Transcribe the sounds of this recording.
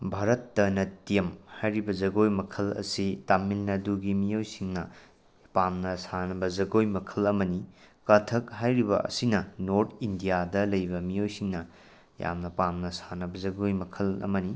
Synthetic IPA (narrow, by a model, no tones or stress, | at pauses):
bʱaɾɐtːɐnɐtijɐmhajɾibɐd͡ʒɐɡojmɐkʰɐlɐ̰sitamilnɐduɡimijojsiŋnɐ | pamnɐsanɐbɐd͡ʒɐɡojmɐkʰɐlɐmɐnikɐtʰɐkɦajɾibɐ̰ʔɐ̰sinɐnoɾtʰindijadɐlɐjbɐmijojsiŋnɐ | ja̰mnɐpamnɐsanɐbɐzɐɡojmɐkʰɐlɐ̰mɐni